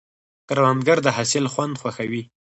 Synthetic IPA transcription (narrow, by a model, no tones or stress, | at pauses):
kaɾwand̪ɡaɾd̪əɦasɪlxwand̪xwaxawi